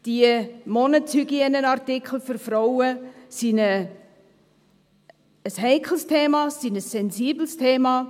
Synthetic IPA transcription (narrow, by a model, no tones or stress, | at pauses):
d̥iəmɔnət͡shyɡiənənartɪkʰl̩fyɾfɾɔʊəsinə | əshɛɪkʰl̩stʰeːmɑsinəsːɛnsiːbl̩stʰeːmɑ